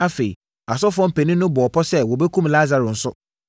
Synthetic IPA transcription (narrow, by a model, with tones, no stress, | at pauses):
a˦fe˨i˨ | a˨s̬ɔ˦fʊ˦ɔ̃˦m˦pɛ˨nĩ˦nʊ̃˦bɔ˨ɔ˨pʰɔ˦sɛ˦wɔ˨bɛ˦kʰũ˦mla˦za˨ɾʊ˨n̩˨sʊ˦